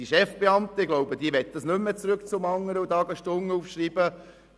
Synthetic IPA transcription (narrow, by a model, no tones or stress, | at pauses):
iʃɛfb̥eɑmt̪əɡ̥loʊbəd̥̪iːʋɛtd̥ɑsnømːət͡sɾøkt͡sʊmɑŋːəɾəudɑːɡəʃtʊŋːəufʃriːb̥ə